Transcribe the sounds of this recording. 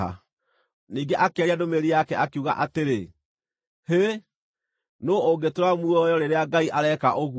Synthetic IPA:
a̰ | niːŋɡeʔakeɛɾiadomeɾijakɛʔakeuɣa̰ʔateɾe | he | nooɡetoɾwamuɔjɔɾeɾeaɡaiʔaɾɛkaʔoɣu

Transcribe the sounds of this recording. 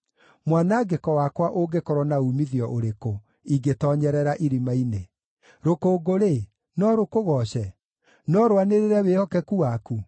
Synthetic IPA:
mwanaɡekɔwakwaʔoɡekɔɾɔnaumiðiɔʔoɾeko | iɡetɔɲɛɾɛɾaʔiɾimaine | ɾokoːɡoɾe | nɔɾokoɣɔɕɛ | nɔɾowaneɾeɾɛweɔkɛkuwaku

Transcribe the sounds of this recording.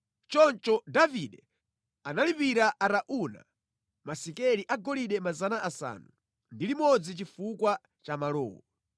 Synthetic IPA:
t͡ʃɔnt͡ʃɔdaviɗɛ | analipiɾaʔaɾaʔuna̰ | masikɛliʔaɡɔliɗɛmazanaʔasa̰ːnu | ndilimɔd͡zit͡ʃifukwa | t͡ʃamalɔ̰ːwɔ̰

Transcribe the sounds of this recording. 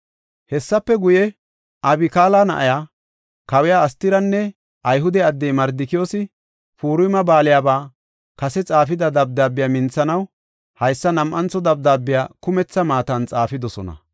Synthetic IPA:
hɛsːɐpːɛɡʊjɛ | ʔɐbɪkaːlaːnɐ̰ʔajaː | kɐwɪjaɐst̪ɪɾɐnːɛ | ʔɐjɦʊd̪ɛɐd̪ːɛjmɐɾd̪ɪkɪjoːsɪ | fuːɾʊjmɐbaːlɪjaːbaː | kɐsɛt͡sʼaːfɪd̪ɐd̪ɐb̚d̪aːbːɪjaːmɪnt͡sːɐnɐw | hɐjsːɐnɐmʔɐnt͡sɔd̪ɐb̚d̪aːbːɪjaːkʊmɛt͡sːɐmaːt̪ɐnt͡sʼaːfɪd̪ɔsɔnɐ̰

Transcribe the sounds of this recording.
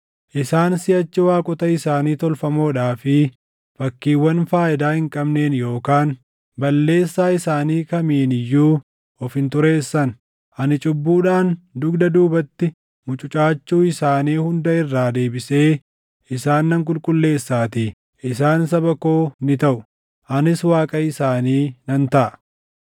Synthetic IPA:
ʔɪsaːnsɪjɐt͡ʃːɪwaːkʼʊt̪ɐɪsaːniːt̪ɔlfɐmo̞ːᶑaːfɪ | fɐkːiːwːɐnfaːʔɪd̪aːhɪŋkʼɐbne̞ːnjo̞ːkaːn | bɐlːe̞ːsːaːɪsaːniːkɐmiːnɪjːuː | ɔfhɪnt̪ʊɾe̞ːsːɐn | ʔɐnɪt͡ʃʼʊbːuːᶑaːnd̪ʊɡd̪ɐd̪uːbɐt̪ːɪ | mʊt͡ʃʼʊt͡ʃʼaːt͡ʃːuːɪsaːniːhʊnd̪ɐɪrːaːd̪e̞ːbɪse̞ː | ɪsaːnːɐŋk̬ʼʊlkʼʊlːe̞ːsːaːt̪iː | ʔɪsaːns̬ɐbɐko̞ːnɪt̪ɐʔʊ | ʔɐnɪswaːkʼɐɪsaːniːnɐnt̪ɐʔɐ

